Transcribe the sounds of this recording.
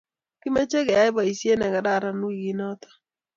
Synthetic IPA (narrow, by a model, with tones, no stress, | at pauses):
ki˦me˦t͡ʃe˦ɡe˨a˦ɪ˦ba˨i˨sje˦nɛ˨ɡa˨da˦˨ɾa˨nu˦i˨ɡi˦nɔ˦t̪ɔ̥˦